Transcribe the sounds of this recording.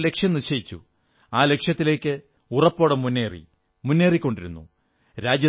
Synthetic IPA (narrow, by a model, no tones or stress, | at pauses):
le̞kʂjɐmniɕɐjit͡ɕːṵ | aːle̞kʂjɐt̪ːile̞ːkːɨ | urɐpːo̞ːɽemunːeːrḭ | munːe̞ːrikʲːo̞ɳɖiɾunːṵ | ɾaːd͡ʑjɐ